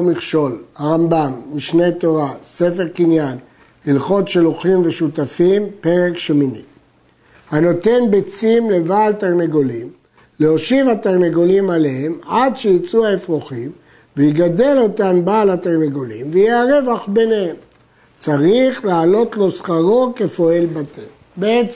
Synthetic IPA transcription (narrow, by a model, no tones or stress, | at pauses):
miχʃo̞lhaʁambamːiʃne̞t̪o̞ʁase̞fe̞ʁkinjan | hilχo̞dʃe̞loχimveʃut̪afimpe̞ʁekʃeminḭm | hano̞t̪e̞nbet͡simle̞vaːltaʁneɡolim | leoʃivateʁneɡolimaleɦe̞madʃejit͡suaefʁoχim | veiɡad̪e̞lo̞tambaːlhateʁneɡolimvejeaʁe̞vaχbe̞nehem | t͡saʁiχlaːlo̞t̪lo̞sχaʁo̞ke̞fo̞e̞lbat̪ʰe | beet͡s